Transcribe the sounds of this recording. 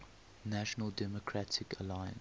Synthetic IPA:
naʃənəlˠdɛmɔkʰɹatʰɪkəlaɪə̰̃n

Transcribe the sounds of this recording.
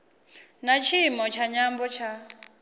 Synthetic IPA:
nat͡ʃʰimɔt͡ʃʰaɲambɔt͡ʃʰa

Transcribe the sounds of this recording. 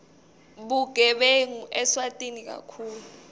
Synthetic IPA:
ɓuɡ̥ʱɛɓeŋuʔɛswatʼinik̬a̰kʰuːlu

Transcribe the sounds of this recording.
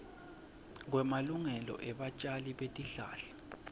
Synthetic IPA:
ŋwɛmaluŋɛlɔ̰ʔɛɓat͡ʃʼaliɓetʼiɬa̰ːɬḁ

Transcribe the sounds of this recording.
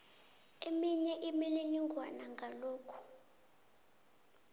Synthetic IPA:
emiɲɛʔimɛleniŋɡʱwanaŋɡʱaloːkʰu̥

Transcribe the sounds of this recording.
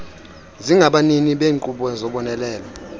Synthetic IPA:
ziŋɡʱaɓaniniɓeːŋǃuɓɔzɔɓɔnɛlɛːlɔ

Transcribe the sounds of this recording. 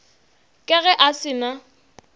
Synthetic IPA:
kʼɪɣɛʔasɪna

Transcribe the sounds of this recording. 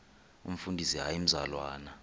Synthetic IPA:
ṵm̩fundʱisiɦajim̩za̰lwa̰ːna

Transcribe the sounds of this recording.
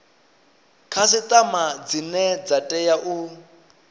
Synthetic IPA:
kʰasit̪ʼamad͡zinɛd͡zatʼɛjaʔu

